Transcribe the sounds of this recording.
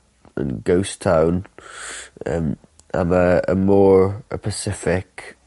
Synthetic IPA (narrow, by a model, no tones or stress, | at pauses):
ə̰̃nɡoʊstʰãʊ̃n | ə̰m | ʔã̰məəmɔːɹə̰pʰəsɪfɪk